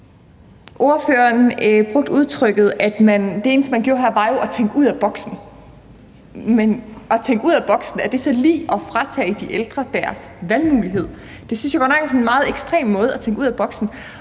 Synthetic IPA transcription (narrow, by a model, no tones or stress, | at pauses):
ʔo̝ɐføːɐnb̥ʁɔ̽ɡ̥̚d̥uð̞ˠt͡sʰʁœɡ̥ð̩ˠæd̥mænd̥e̝e̝ːnsmænɡ̥jo̝ːɐɦæɐʋɑ̈jo̝ʔɒt͡sʰeŋɡ̥uð̰ˠæb̥ɒ̽ɡ̥sn̩ | menɒ̽t͡sʰeŋɡ̥uð̞̰ˠæb̥ɒ̽ɡ̥sn̩æɐd̥e̝sɒ̽lḭːɒ̽fʁɑ̈t͡sʰɛ̰ːd̥iʔeld̥ʁɐd̥æɐsʋælmuːliɦe̝ð̰ˠ | d̥e̝synsjaɡ̥ɒ̽nɑɡ̥sɒnenmɑ̈ːð̞̩ˠeɡ̥sd̥ʁḛːmmɔ̽ːð̞̩ˠɒt͡sʰeŋɡuð̞̰ˠæb̥ɒ̽ɡ̥sn̩